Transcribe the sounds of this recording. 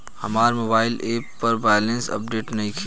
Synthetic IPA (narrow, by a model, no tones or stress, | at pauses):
həmaːɾmobaːɪleːpːəɾbaːjlensə̰p̚ɖeːʈnəɦĩkʰe